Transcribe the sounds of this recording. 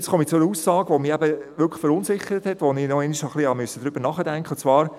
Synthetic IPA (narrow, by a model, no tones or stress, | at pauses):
t͡skʰɔmit͡sʊɛəusɑːɡʋomɪæbəʋʏɾkʰlə̥fəɾʊnsɪχəɾəthɛtʋoninɔɛniʃɑχlihɑmyəsːəd̥̪ɾʏb̥əɾnɑχədæŋkχət͡sʋɑːɾ